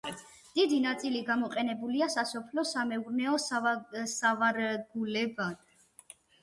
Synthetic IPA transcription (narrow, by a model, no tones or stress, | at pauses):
d̪̥id̪inat̪sʼiliɡamɔqʼɛnɛbuliasasɔpʰlɔsamɛuɾnɛɔssavaɾɛɡulɛba